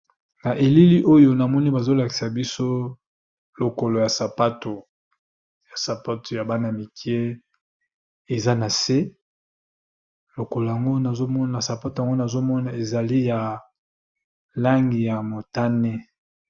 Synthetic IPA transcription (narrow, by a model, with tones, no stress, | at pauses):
na˨ʔe˨li˦li˦ʔo˦jo˦na˨mɔ˦ni˦ba˨zo˦la˨ki̥˨sa˨bi˦so˦ | lo˨ko˨lo˨ja˨sa˨pa˦to˨ | ja˨sa˨pa˦tʰo˨ja˨ba˦na˨mi˨ki˦e˦ | e˨za˦na˨se˦ | lo˨ko˨lo˨ja˨ŋɡo˦na˨zo˦mɔ˦a˨sa˨pa˦to˨ja˨ŋɡo˦na˨zo˦mɔ˦na˨e˨za˨li˦ja˨ | la˦ŋɡi˨ja˨mo˨ta˦ne˦